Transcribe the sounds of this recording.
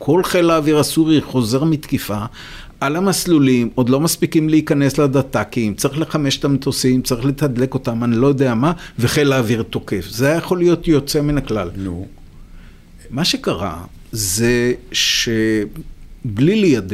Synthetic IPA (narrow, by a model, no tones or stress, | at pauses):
kʰo̞lχe̞laːviʁasuʁiχo̞ze̞ʁmit̪kifa | ʔalamaslulimo̞d̪lo̞maspikimleikane̞slad̪at̪akimt͡saʁiχle̞χame̞ʃe̥t̪amt̪ʰosimt͡saʁiχlet̪ad̪le̞ko̞t̪amanilo̞jo̞d̪eamave̞χelaːviʁt̪o̞ke̞fzeajajeχo̞lijo̞tjo̞t͡seminaklal | maʃe̞kaʁa̰ | zeʃe | blilijad̪i